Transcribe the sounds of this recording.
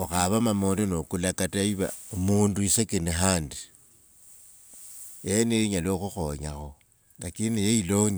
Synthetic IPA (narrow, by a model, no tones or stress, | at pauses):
oxaβamamolonokulakataiβa̰umuːnduisekenixaːndi | jeneiɲaloxuxoɲa̰xo | nakinejeiloɲ